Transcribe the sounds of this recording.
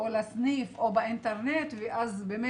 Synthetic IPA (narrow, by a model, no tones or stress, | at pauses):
olasnifʔobaint̪eʁnet̪veʔazbeme